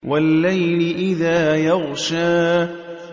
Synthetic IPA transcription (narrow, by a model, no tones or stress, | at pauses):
walːajlɪʔɪðaːjɑɣʃaː